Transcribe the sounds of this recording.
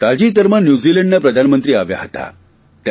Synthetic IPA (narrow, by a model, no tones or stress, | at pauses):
t̪ad͡ʑiːt̪əɾmənjud͡ziləɳɖnəpɾəd̪ʱanmənt̪ɾiːaʋja̰ɦət̪a̰ | t̪j